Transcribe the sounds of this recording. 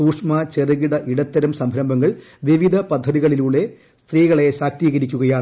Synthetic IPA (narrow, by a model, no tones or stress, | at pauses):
suːkʂmɐt͡ɕeriɣiɽɐʔiɽɐt̪ːɐɾumsɐmbʱɾɐmbʱɐŋːɐɭ | ʋiʋid̪ʱɐpɐd̪ʱːɐðiɣɐɭiluɭe̞ | st̪riːɣɐɭe̞ɕaːk̚t̪iːɣɐɾikʲːuɣɐjaːɳɨ